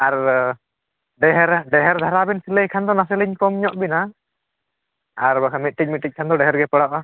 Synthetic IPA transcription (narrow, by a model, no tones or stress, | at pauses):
aɾ | ɖɛɦɛɾɖɛɦɛɾd̪ʱaɾabɛnsiləjkʰand̪ɔnasɛliɲkɔmɲɔʔbina | aɾbakʰamit̪̚ˀʈic̚ˀmit̪̚ʈic̚kʰand̪ɔɖɛɦɛɾɡɛpəɽaʔa